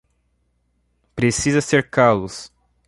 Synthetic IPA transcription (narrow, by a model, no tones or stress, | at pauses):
pɾesizɐseɾkalʊs